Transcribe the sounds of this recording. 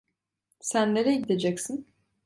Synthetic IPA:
sænlʲeɾɛɟid̪ed͡ʒɛcsin

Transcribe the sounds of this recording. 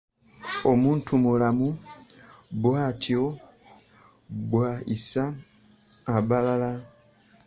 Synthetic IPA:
o̞muːntʰumulamu | bwaːtʰio | bwaisaː | βalala

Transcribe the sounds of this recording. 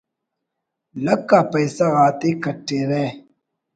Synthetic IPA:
lɐkːapɐjsɐɣaːt̪ekɐʈːeɾe

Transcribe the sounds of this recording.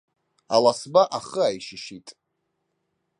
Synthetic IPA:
alasbaʔaχəajʃɪʃitʼ

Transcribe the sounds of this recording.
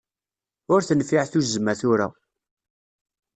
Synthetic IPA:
ʊɾθənfiʕθuzmæθʊɾa̰

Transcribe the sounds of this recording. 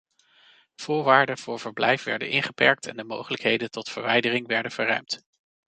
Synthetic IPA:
v̥ʊːɹʋaːɹdəv̥ʊːɹv̥əɹblɛjfʋɛ̰ɹdə̰nʔɪnχəpɛɹk̚tʰɛ̰ndəmo̰wχələkɦejdəntɔtfəɹʋɛjdərɪŋʋɛɹdənv̥əɹrœ̰ɥmt

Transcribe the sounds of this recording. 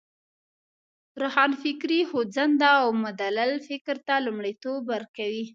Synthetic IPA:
ɾahɑnfɪkɾihozand̪aawmʊd̪alalfɪkɾt̪alʊmɽit̪obaɾkawi

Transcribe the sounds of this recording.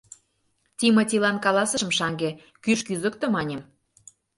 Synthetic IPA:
tʲimɤ̆tʲilɑnkɑlɑsə̆ə̆mʃɑŋɡe | kyʃkyzə̆k̚t̪ɤ̆mɑnʲem

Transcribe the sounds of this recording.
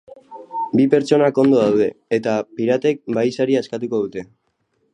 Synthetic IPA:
bipe̞ɾt͡ʃo̞nako̞nd̪o̞ðawðe̞et̪apiɾat̪e̞k̚bajsaɾiaeskat̪uko̞ð̞ut̪e̞

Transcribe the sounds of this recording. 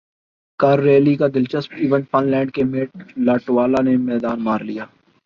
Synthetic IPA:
kɐɾːeːlikad̪ɪlt͡ʃəspiːʋə̃ɳʈpʰɐnlɛ̃ːɳɖ̚kemeːʈ̚laːʈwaːlanemɛːd̪aːnmaːɾlijaː

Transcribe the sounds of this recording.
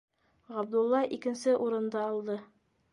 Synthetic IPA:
ʁæb̚d̪ulˠːɑʔikɘ̆nsɘʔuɾɤ̆nd̪ɑːlˠd̪ɤ

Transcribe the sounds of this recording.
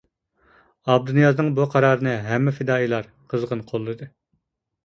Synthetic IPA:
ɑb̚d̪unjɑznɨŋbuqʰɑɾɑːɾɨnɨɦɛmːɪfɪd̪ɑːilˠɑɾ | qʰəzʁənqʰolˠːɨd̪ɨ

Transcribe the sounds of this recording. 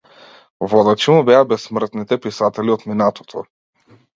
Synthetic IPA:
vɔd̪at͡ʃimɔbɛabɛsːmr̩t̪nit̪ɛpisat̪ɛliot̪minat̪ʰɔ̥t̪ʰɔ

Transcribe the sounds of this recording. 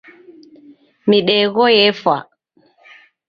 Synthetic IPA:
miɗɛɣɔjɛfa̰

